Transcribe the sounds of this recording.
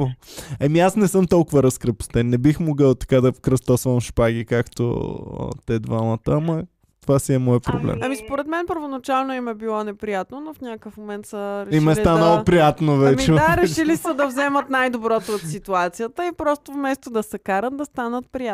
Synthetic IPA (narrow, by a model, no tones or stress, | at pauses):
oɐmiasnɛsɤmt̪ɔlˠkʊvəɾɐskɾəpu̥st̪ɛnːɛbixmoɡəlˠt̪ɐ̥kad̪ɐfkɾəst̪ɔsvɐmʃpaɡʲikakt̪o̰ə̰t̪ɛd̪vamət̪əamɐ | t̪ovasiɛmɔjpɾo̰blɛ̰mɐmispoɾɛt̪mɛnpəɾvonɐt͡ʃalˠnoimɛbilˠɔnɛpɾijat̪nonofnʲakəfmomɛnt̪səɾɛiʃmɛst̪anəopɾijat̪novɛmt͡ʃiɛd̪aɾɛʃilisəd̪ɐvzɛmət̪najd̪obɾɔt̪oːt̪sit̪uat̪sijət̪əipɾɔst̪ovmɛst̪od̪ɐsɛkaɾət̪̚d̪ɐst̪anət̪̚pɾija